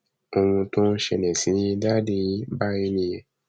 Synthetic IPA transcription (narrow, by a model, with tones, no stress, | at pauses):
o˧w̃ũ˧tõ˦n̩˦ʃɛ˧nɛ̃˨sĩ˨˦da˦de˧i˦ba˦ji˧˦nĩ˧jɛ˨